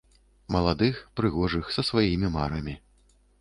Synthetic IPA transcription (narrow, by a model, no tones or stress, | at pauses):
mɐlˠad̪ɨxpɾɨɣɔʐɨxsɐsvajimʲimaɾɐmʲi